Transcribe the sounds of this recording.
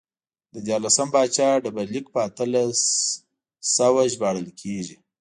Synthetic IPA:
d̪əd̪jɑɾlasəmbɑt͡ʃɑɖəbaɾlik̚pəat̪əlas | sawaʒbɑɽəlkʰeʒi

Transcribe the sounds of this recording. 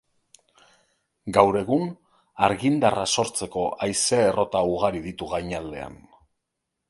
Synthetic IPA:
ɡawɾe̞ɣ̞un | aɾɣind̪araso̞ɾt͡se̞ko̞ajseerʔo̞t̪auɣ̞aɾiðit̪uɣajɲald̪e̞a̰n

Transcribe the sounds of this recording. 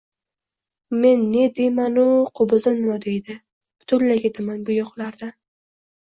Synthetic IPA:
me̞nːe̞d̪e̞manʊqʰʊbɨzɪnmʊd̪e̞jd̪ɪ | b̥ʊ̥t̪ʰʊllakʲed̪ɪmanbʊjɒχlaɾd̪a

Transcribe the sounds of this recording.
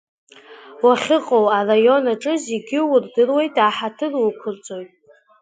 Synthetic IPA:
waχʲɪqʼowarajo̞naʈ͡ʂʼɨzeɡʲɪwʊrdɨrwe̞jtʼaːħatʰɨrwukʷʰʊrt͡sʼojtʼ

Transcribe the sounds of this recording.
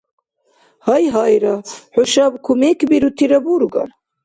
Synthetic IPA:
hɑjɦɑjɾaħoʃabkʰumekʰbiɾut̪ʰiɾɐbuɾɡɑ̰ɾ

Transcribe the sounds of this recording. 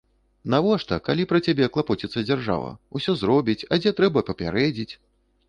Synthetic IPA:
navɔʂt̪ɐkalʲipɾɐt͡sʲabʲɛklˠapɔt͡sʲit̪sːɐd͡zʲarʐa̰vɐ̰usʲɔzɾɔbʲit͡sʲɐd͡zʲɛt̪ɾɛbɐpɐpʲaɾɛd͡zʲit͡sʲ

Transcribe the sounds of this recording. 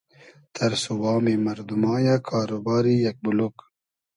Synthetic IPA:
t̪ʰɐɾsuwɑːmimɐɾd̪umɑːjakʰaːɾobaːɾijɐk̚bulok

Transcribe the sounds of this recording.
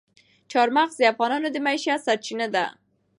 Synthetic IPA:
t͡ʃɑɾmaɣzd̪əafɣɑnɑnod̪əmaiʃasaɾt͡ʃinəd̪a̰

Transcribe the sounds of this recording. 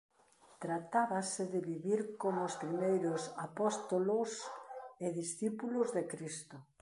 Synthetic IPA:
t̪ɾat̪aβasɪðɪβiβiɾkomʊspɾimejɾʊsapɔst̪oloseðisθipulʊzðekɾist̪ʊ

